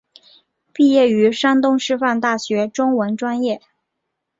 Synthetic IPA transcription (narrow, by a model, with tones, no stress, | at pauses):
pi˥˧jɛ˥˩y˧˥ʂa˥nt̪ʊ˥ŋʂɻ̩˥˧fa˥˧nt̪a˥˩ɕɥɛ˧˥ʈ͡ʂʊ˥ŋwə˧˥nʈ͡ʂwa˥njɛ˥˩